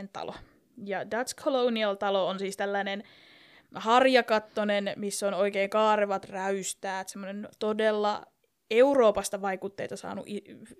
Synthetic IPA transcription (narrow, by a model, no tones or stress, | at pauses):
nt̪ɑ̰lo̰ | jɑdɑt̪skʰolouniɑlt̪ɑloonsiːst̪ælːænen | hɑrjɑkɑt̪ːonenmisːonoikeːŋkɑːreʋɑt̪ræyst̪æːt̪semːonent̪odelːɑ̰ | euroːpɑst̪ɑʋɑikut̪ːḛt̪ɑsɑ̰ːnṵʔi